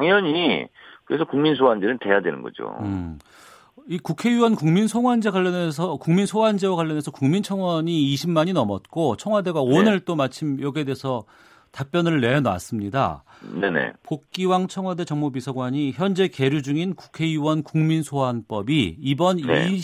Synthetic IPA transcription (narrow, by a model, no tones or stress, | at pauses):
aŋjʌɲikɯɾesʰʌkuŋminsʰoɦand͡ʑenɯnte̞jadwe̞nɯ̰nɡʌ̰d͡ʑo̰ | ikukʰe̞juwʌnkuŋminsʰoŋwand͡ʑeɡwaʎːjʌnesʰʌkuŋminsʰoɦand͡ʑewaɣwaʎːʌne̞sʰʌkuŋmint͡ɕʰʌŋwʌɲiːɕʰimmaɲinʌmʌt̚k͈ot͡ɕʰʌŋɦwade̞ɡaonɯɭt͈omat͡ɕʰimjʌɡedesʰʌ | tap͈jʌnɯɭne̞na̰s͈ɯmɲida̰ | ne̞ne̞̰pok̚k͈iwaŋt͡ɕʰʌŋwade̞t͡ɕʌŋmubisʰʌɡwaɲiçjʌnd͡ʑe̞ke̞ɾjud͡ʑuŋinku̥kʰe̞juwʌnkuŋminsʰoɦanp͈ʌbiːbʌnni